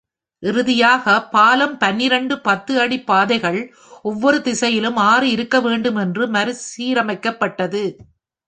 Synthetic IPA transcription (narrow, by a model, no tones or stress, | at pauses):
ʔɪɾɯðɪjaːɣɐpaːlɐmpɐnːɪɾɐɳɖɯpɐt̪ːɯɐɽipːaːðɐɪɣɐɭ | ɔʋːɔɾɯd̪ɪsɐjɪlɯmaːɾɯɪɾɯkːɐʋeːɳɖɯmɛndrɯmɐɾɯsiːɾɐmɐɪkːɐpːɐʈːɐðɯ